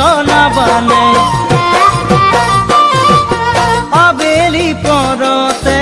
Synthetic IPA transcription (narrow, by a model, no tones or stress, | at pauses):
ɔnabanɛ | abelipɔ̃ɾɔt̪ɛ